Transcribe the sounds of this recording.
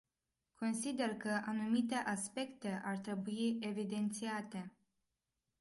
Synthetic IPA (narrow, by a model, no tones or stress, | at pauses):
kʰo̞nsid̪e̞rkəʔanumit̪e̞ʔaspe̞kt̪e̞ʔart̪ɾe̞buie̞vid̪e̞nt̪siat̪e̞